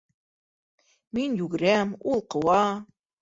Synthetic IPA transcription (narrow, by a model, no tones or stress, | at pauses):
minjʉɡɘ̆ɾæmulˠqɤ̆wɑ